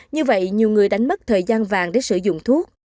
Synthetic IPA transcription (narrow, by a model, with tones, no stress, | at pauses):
ɲɨ˧və̰˧˨jɲi˨˩əwŋɨ˨˩əjɗa˨˦jŋ̟mə˦˥t̚t̪ʰəː˨˩jzaː˧nvaː˨˩ŋɗe˨˦sɨ̰˧˩zʊ̰˧˨ŋ͡mt̪ʰu˦˥ək̚